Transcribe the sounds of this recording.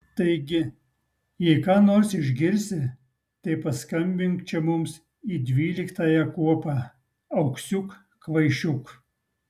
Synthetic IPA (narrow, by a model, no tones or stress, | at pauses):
t̪ɐɪɡʲɪ | jɛɪkɑːnoːɾsɪʒʲɡʲɪɾʲsʲɪ | t̪ɐɪpɐskɐmʲbʲɪŋkt͡ʃʲɛmʊms | iːd̪ʲʋʲiːlʲɪkt̪ɑːjɛkuɔpɑː | ɐʊksʲʊk | kʋɐɪʃʲʊk